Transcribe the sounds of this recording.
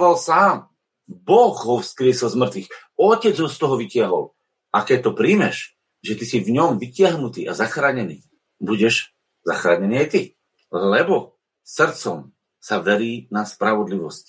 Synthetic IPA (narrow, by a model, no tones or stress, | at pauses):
ʋalsaːm | bɔɣɦɔfskɾɪɛsilˠzmr̩t̪ʋix | ɔcɛd͡zɦɔst̪ɔɦɔʋicɪaɦɔ̰l | ʔakɛc̚t̪ɔpɾiːmɛʃ | ʒɛt̪isivɲɔmʋicɪaɦnut̪iːʔa̰zaxɾaːɲɛnḭː | buɟɛʒ | za̰xɾa̰ːɲɛniːajt̪i | llɛbɔ | sr̩t̪t͡sɔm | saʋɛɾiːnaspɾaʋɔd̪liʋɔsc